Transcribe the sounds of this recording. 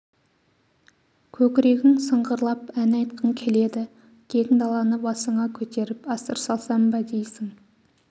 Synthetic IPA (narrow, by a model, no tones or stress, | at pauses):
kʲʰɵkʲɾe̞ɡʲɪŋsəɴʁəɾlˠɑpænɑjt̪qʰəŋkʲʰe̞le̞d̪ɪ | k̪ʲʰe̞ɡʲɪŋd̪ɑlˠɑnəbɑsəɴɑkʲʰɵt̪e̞ɾɪpɑsəɾsɑlˠsɑmbɑd̪ejsɪŋ